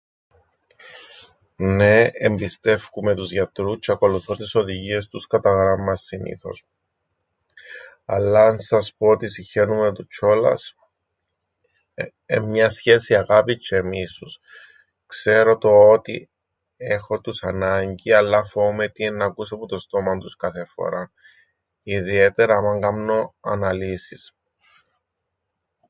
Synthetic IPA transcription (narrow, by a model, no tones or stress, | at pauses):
ne̞embist̪e̞fkume̞t̪uzʝɐt̪ɾut͡ʃːeɐko̞luθot̪iso̞ðiʝie̞st̪uskɐt̪ɐɣɾɐmːɐsːinḭθo̞̰s | ɐlːɐːnsɐspo̞ot̪isiçe̞numet̪ut͡ʃʰo̞lɐ̰s | emɲɐsçe̞siɐɣapit͡ʃʰːe̞misus | kse̞ɾo̞t̪o̞ot̪ḭ | e̞xo̞t̪usɐnɐɲɟiɐlːɐfo̞met̪ienːɐkusɐput̪o̞st̪o̞mɐnt̪uskɐθe̞fo̰ɾɐ | iðie̞t̪e̞ɾɐmɐŋɡɐmno̞ɐnɐlisis